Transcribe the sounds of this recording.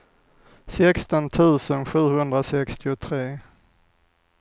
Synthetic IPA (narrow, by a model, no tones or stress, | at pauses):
sɛkst̪ɔnt̪ʰʉ̟ːsənɧʉ̟ːhɵnd̪ɾasɛkst̪ɪʊt̪ʰɾeː